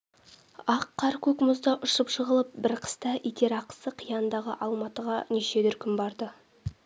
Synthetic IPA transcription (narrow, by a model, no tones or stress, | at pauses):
ɑqʰːɑɾkʲʰɵkmʊzd̪ɑʔʊʃəpʃəʁəlˠəp̚bɪɾqʰə̥st̪ɑʔijt̪e̞ɾɑqə̥səqʰijɑnənd̪ɑʁə̰ʔɑlˠmɑt̪əʁɑneʃe̞d̪ʏɾkʲɪmbɑɾd̪ə